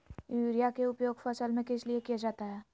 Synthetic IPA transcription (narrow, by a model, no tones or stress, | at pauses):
juːɾijakeʊpjoːɡfɐsəlmẽkɪsliekijad͡ʒaːt̪aɦɛː